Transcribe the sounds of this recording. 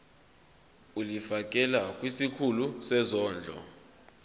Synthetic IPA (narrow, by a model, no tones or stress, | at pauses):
ulifak̬ʼɛlakʼwisikʰulusɛzɔːnd͡ɮʱɔ̰